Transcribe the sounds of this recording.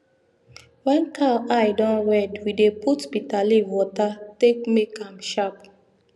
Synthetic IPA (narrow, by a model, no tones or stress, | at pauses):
wɛ̃nkʰalajdɔ̃nwɛdwideputbitaliwɔtatek̚mekãmʃap